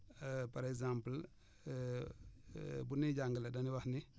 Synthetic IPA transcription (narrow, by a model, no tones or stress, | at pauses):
pɐɾɛkzãmpəl | buniɟaŋɡəlɐdɐniwɐhni